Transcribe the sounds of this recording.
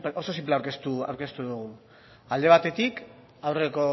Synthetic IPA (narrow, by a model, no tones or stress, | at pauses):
pʔoso̞s̬impleawɾkest̪ua̰wɾke̞st̪uðuɣun | ald̪e̞β̞at̪e̞t̪ik | awreko̞